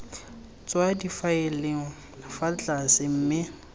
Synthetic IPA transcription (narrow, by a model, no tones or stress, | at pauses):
t͡swadifaɪleŋ̩ | nafat͡ɬʼasɪm̩ːmɪ